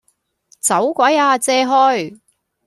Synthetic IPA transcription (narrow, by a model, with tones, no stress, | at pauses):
t͡sɐ˨˥wkʷɐ˨˥jaː˧t͡sɛː˧ɦɔː˧˥j